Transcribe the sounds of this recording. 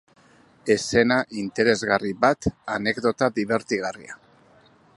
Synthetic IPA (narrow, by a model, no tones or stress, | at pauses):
e̞se̞naʔint̪e̞ɾe̞zɣariβat̪ane̞ɡðo̞t̪aðiβ̞e̞ɾt̪iɣ̞aria̰